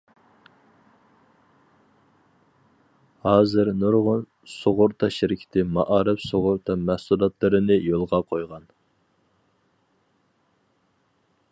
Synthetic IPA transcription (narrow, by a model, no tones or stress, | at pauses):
hɑːzɪɾnoɾʁʊn | soʁʊɾt̪ʰɑʃɪɾɪkʲʰi̥ɪ̥t̪ʰɪmɑʔɑːɾɨpsoʁʊɾt̪ʰɑmæhsulˠɑt̪ʰlˠɨɾɨnɨjolˠʁɑqʰojʁɑn